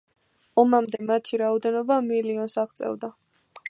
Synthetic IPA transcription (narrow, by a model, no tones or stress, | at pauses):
ɔmamd̪ɛmat̪ʰiɾaɔd̪ɛnɔbamiliɔnsaʁt̪sʼɛ̰vd̪a